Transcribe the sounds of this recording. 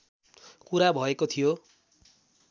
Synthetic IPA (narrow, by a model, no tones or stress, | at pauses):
kuɾabʱʌekot̪ʰijo